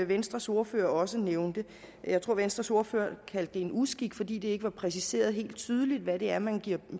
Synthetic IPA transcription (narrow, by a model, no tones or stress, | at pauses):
ʋensd̥ʁɐso̝ɐføɐɒ̽səneʊnd̥ə | jɑ̈ɪt͡sʰʁo̝ɐ̰ʋensd̥ʁɐso̝ɐfø̰ːɐkʰæl̰d̥əe̝nusɡ̥iɡ̥fɒ̽d̥ḭːd̥e̝e̝ɡ̥əʋɑ̈pʰʁɛs̬ise̝̰ːɐð̞ˠɦe̝̰ːld̥̚t͡sʰyːð̞ˠəlid̥ʋæɾe̝æɐmænɡ̥iɐ̰